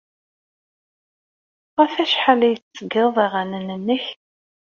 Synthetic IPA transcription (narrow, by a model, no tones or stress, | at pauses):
ʁæfæʃħalæjət͡sːəɡəˤðˤiʁænənənːəç